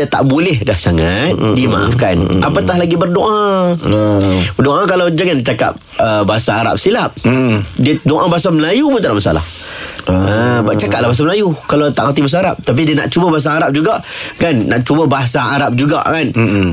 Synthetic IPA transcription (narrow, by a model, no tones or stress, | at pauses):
dat̪a̰ʔbolɪhdahsaŋat̪̚dima̰ʔa̰fkanʔapat̪ahlaɡibərdoʔã | bədoʔãkalawd͡ʒaŋant͡ʃaka̰p̚ | əbaɦasaːɾa̰p̚silap̚diədoʔãbaɦasaməlajupʊnt̪aɾaʔmasa̰la̰h | əbaʔt͡ʃakat̚lahbaɦas̬aməlajukalat̪aʔkərt̪ibas̬aːɾap̚t̪ap̬idiəna̰ʔt͡ʃubəbaɦas̬aːɾap̚d͡ʒuɡaʔkanːa̰ʔt͡ʃubəbaɦasaaɾap̚d͡ʒuɡa̰ʔkan